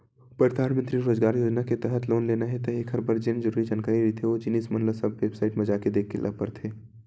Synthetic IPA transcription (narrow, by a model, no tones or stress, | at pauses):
pəɾt̪aːɾmə̃nt̪ɾiɾoːzɡaːɾjoːd͡ʒnaket̪ɛɦət̪loːnleːnaɦɛt̪ɐekʰɦɐɾbəɾd͡ʒɪnd͡ʒəɾuːɾid͡ʒaːnkaːɾiɾit̪ʰeʋod͡ʒɪnismɐnləsɐbʋeːbsaːɪʈmɐd͡ʒaked̪eːkʰːelʔɐ̰pə̰ɾt̪ʰeː